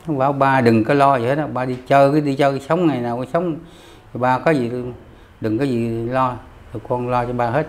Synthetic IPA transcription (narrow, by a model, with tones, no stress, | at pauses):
n˨˦vaː˨˦wɓaː˧ɗɨ˨˩ŋkɔ˨˦lɔ˧zi˨he˦˥t̚ɗɓaː˧ɗi˧t͡ɕəː˧kɨ˨˦ɗi˧t͡ɕəː˧sə˨˦wŋ͡mŋa˨˩jnaː˨˩wkɔ˧˦sə˨˦wŋ͡m | t̪ʰi˨˩ɓaː˧˩kɔ˨˦zi˨˩˧ | ɗɨ˨˩ŋkaː˨˦jzi˨˩˨lɔ˧ | t̪ʰo˨˩kɔ˧nlɔ˧t͡ɕɔ˧ɓaː˧ɦe˦˥t̚